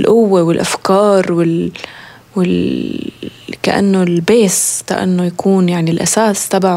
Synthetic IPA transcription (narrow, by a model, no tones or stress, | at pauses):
lʔʊwːewɪlʔafkɑːɾˤwɪl | wɪl | ka̰ʔa̰nːolbeːska̰ʔa̰nːojakʰuːnjaʕnilʔa̰saːst̪abaʕ